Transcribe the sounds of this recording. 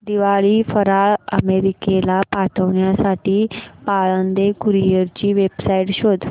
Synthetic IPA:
d̪iʋaɭiːfəɾaɭə̰meɾikelapat̪ʰəʋɳjasaʈiːpaɭənd̪ekuɾijəɾt͡ɕiːʋebsaiʈɕod̪ʱ

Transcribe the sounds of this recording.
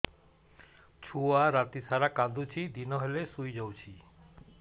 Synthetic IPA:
t͡ɕʰuaɾat̪isaɾakad̪ʱut͡ɕʰid̪inoɦelesujd͡ʑawt͡ɕʰi

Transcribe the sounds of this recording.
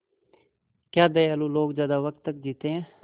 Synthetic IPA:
kjaːd̪eəluːloːkzjaːd̪aːʋək̚t̪ːək̚d͡ʒiːt̪ẽːɛ̃ː

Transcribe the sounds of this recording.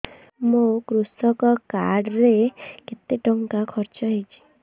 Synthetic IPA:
mukɾusɔkɔkaɽɾeket̪eʈɔŋkakʰɔɾt͡ʃɔɦet͡ʃʰi̥

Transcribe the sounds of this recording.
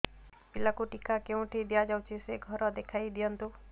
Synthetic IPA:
pɪlakuʈikakeũʈʰid̪ijad͡ʒawt͡ʃʰiseɡʱɔɾɔd̪ekʰaid̪ijɔnt̪u

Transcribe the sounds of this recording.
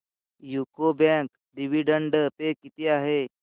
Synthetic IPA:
jukobɛ̃k | ɖiʋiɖəɳɖəpekit̪iaɦe

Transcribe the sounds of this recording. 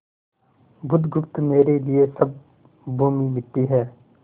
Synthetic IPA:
bʊd̪ɡʊpt̪meːɾelɪesɐb̚ | bʱuːminɪt̪ːiɦɛː

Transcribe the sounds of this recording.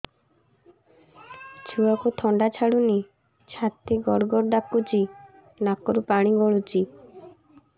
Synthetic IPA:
t͡ʃʰuɔkot̪ʰɔɳɖat͡ʃʰaɽuni | t͡ʃʰat̪ːeɡɔɽɡɔɾɖakːut͡ʃi | nakːɔɾupaɽ̃iɡɔɭut͡ʃi

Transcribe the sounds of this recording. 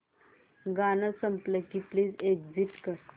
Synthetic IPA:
ɡanəsəmpləkipliːseɡziʈkəɾ

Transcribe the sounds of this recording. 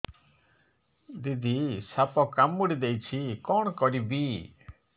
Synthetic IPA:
d̪id̪ʱisapɔkamuɽid̪ejt͡ʃʰikɔɽ̃ɔkɔɽibi

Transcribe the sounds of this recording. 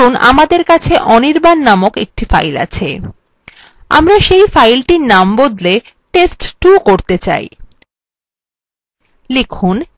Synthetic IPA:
una̰mad̪eɾkat͡ɕʰeʔɔniɾbanːamokḛk̚ʈifa̰jla̰t͡ɕʰe | a̰mɾaʃejfajlʈinambod̪le | ʈesʈʈukoɾt̪et͡ɕa̰j | lekʰun

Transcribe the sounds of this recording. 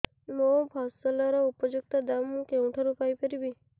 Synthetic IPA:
mopɔsɔlɔɾɔupɔd͡ʒuk̚t̪ad̪amːũkeũʈʰaɾupajpʰəɾibi

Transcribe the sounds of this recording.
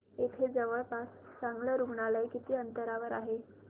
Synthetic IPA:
et̪ʰed͡zəʋəɭpassaŋɡləɾuɡɳaləjkit̪iːənt̪əɾaʋəɾaɦe

